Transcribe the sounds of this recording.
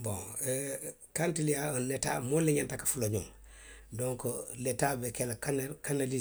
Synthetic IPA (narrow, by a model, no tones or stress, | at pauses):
bõ̰ŋ | kantilijaonːeta̰moleɲantakḁfuloɲum | dõŋkoletabekelakankanali